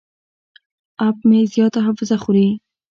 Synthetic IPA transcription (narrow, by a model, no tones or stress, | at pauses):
ap̚mezjɑt̪aɦafɪzaχuɾi